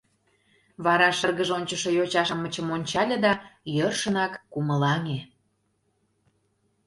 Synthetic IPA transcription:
βɑɾɑʃərɣəʒonʲt͡ɕəʃojot͡ɕɑʃəmːət͡ɕəmonʲt͡ɕɑlʲed̪ɑjørʃə̆nɑkːuməlɑŋe

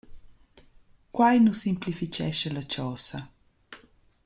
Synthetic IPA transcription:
kwajnusimplifit͡ʃɛ̰ʃɛlat͡ʃɔːsɐ

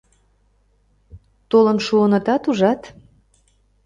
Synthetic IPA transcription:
t̪olə̆nʃuənə̆t̪ɑt̪uʒɑt̪

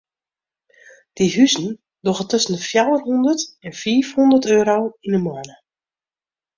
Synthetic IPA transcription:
d̥iɦyzən̩ | doɣətɵsən̩dəfjawərɦundətɛnfiːfhundərtøːɾowinəmɔɹnə

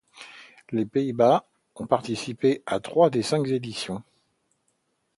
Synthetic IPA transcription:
lepeiba | ɔ̃paʁt̪isipeat̪χwad̪esɛ̃kzed̪isjɔ̃

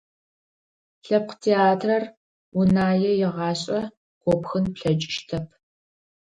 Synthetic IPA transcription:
ɬɐp̚qtʰeːaːtʰrɐr | wunaːjɛjɪʁɑːɕʼɐ | ɡ̥ʷɔpxɨnpɬɐt͡ʃʼɪʃtʰɐpʰ

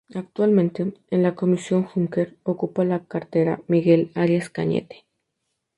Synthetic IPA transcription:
ak̚t̪walmẽnt̪eenlako̞misjo̞ŋxuŋkeɾokupalakaɾt̪eɾa̰miɣelaɾjaskaɲḛt̪e̥

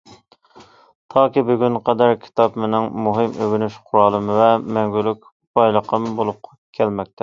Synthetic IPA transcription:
t̪ʰɑːkʲibyɡʲynqʰɛd̪æɾkʲʰi̥t̪ʰɑpmenɪŋmuɦɨmøɡʲynyʃqʰʊɾɑːlˠɨmɨvɛmɛŋɡʲylykʲ | b̥ɑjlˠəqʰəmbolˠʊp̚qʰɑkʲʰɛlmɛk̚ʲt̪ʰɛ

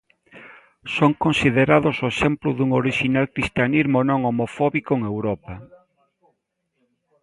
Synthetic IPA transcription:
soŋkonsiðeɾaðosoesemplʊðuŋoɾiʃinalkɾist̪janizmonõŋomofɔβikoeŋewɾɔpa

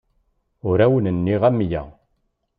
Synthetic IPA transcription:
ʊɾæwənənːiʁæmːjæ̰

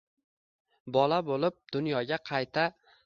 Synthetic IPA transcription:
bɒlabolɪp̚d̪̥ʊnjɒɡʲaqʰɑjt̪ʰa

